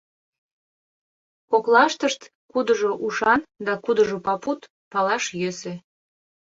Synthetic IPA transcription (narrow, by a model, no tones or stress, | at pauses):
koklɑʃt̪əʃt̪ | kud̪əʒoʔuʃɑnd̪ɑkud̪əʒopɑput̪ | pɑlɑʃjøsĕ